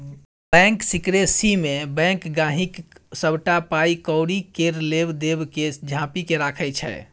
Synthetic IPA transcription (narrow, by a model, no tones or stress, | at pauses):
bɛ̃ŋksikɾesimebɛ̃kɡãɦiksəbʱʈapaikɔʊɽikeɾlebd̪ebked͡ʒʱãpikeɾakʰət͡ʃʰɛ̰